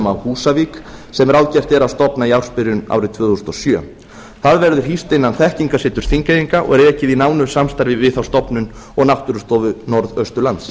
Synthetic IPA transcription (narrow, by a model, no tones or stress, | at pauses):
mawhuːsaviksɛmɾawðcɛr̥t̪ɛɾawst̪ɔpnaiawɾ̥spɪɾʏna̰wɾɪt̪ʰvʏːθusnɔsjœ̰ | θaðvɛɾðʏɾ̥ɦist̪ɪnːanθɛhciŋkasɪːt̪ʏɾ̥θiŋkejiŋkaʔɔ̰ɣɾɛːcɪðinaːwnʏ̥samst̪aɾvɪvɪðθawst̪ɔpnʏn | ɔɣnawht̪ʏɾʏst̪ɔvʏnɔɾðœst̪ʏlant̪s